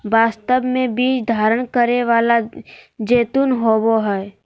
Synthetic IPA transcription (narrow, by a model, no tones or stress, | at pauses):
baːst̪əbmẽbiːt͡ʃd̪ʱaːɾəɽ̃kəɾeʋaːlad͡ʒeːt̪unɦoːboɦɛ